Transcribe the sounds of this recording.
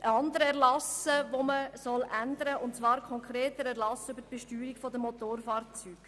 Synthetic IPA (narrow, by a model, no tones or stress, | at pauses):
ʔəɑndəɾəɛʁlɑsəvoməsɔlʔændəɾəʊntt͡sʋɑːɾkʰɔŋkɾeːtəɾæʁlɑsʏbəɾtb̥ɛʃtyːɾikfɔdəmot̪oːɾfɑːɾt͡syːɡ̥